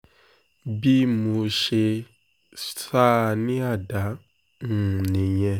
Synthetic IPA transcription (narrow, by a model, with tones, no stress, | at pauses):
bi˦mũ˧ʃe˧ | stɾa˦˨nĩ˦a˦˨da˨˦ | ŋũ˨nĩ˨ɲɛ̃˧